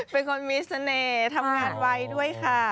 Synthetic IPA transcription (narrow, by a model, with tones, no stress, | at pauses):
pe˧nkʰo˧nmiː˧˥sa˧neː˧˩t̪ʰa˧mŋaː˧˩nwa˧jdu˥˩əjkʰa˧˥˩